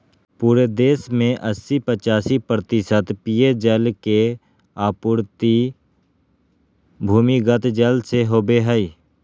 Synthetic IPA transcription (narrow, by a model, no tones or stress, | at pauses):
puːɾed̪eːsmẽʔəsːipət͡ʃaːsipɾət̪ɪsət̪pijed͡ʒəlke | aːpʊɾt̪i | bʱuːmiɡət̪d͡ʒəlseɦoːbeɦəi